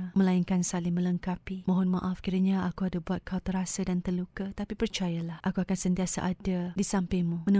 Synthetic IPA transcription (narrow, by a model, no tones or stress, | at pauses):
məlaiŋkansalɪŋmə̃ləŋkapimõɦɔnmaʔafkiɾaɲaakuadabuat̪̚kʰawt̪əɾasadant̪ərlukat̪apipərt͡ʃajalahʔakuakansənt̪iasa̰ʔadadisampemũmənə̃